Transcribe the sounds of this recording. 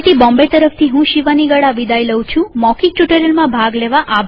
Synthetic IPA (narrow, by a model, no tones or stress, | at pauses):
t̪ibɔ̃mbet̪əɾəft̪ʰiɦũʃiʋaniɡəɽaʋid̪ajləwt͡ʃʰũmɔkik̚ʈjuʈəɾəlmãbʱaɡleʋaʔabʱ